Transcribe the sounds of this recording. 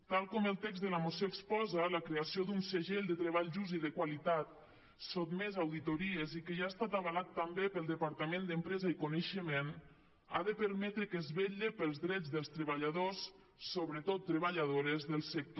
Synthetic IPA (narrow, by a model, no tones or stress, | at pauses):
t̪alˠkɔməlˠt̪ɛɡzðəlamosjoekspɔzələkɾeasiod̪unsəʒeʎd̪ət̪ɾəβ̞aʎʒuziðəkwalit̪at̪̚ | sot̪mezawðit̪oɾiezikəʒaest̪at̪aβəlat̪ːambepəlˠd̪əpaɾt̪amend̪əmpɾɛzəikunəʃəmen | a̰ðəpəɾmɛt̪ɾəkəzβeʎəpəlˠzðɾɛd͡zðəlˠst̪ɾəβaʎaðosː | oβɾət̪ot̪ːɾəβaʎaðoɾəzðəlˠsək̚t̪o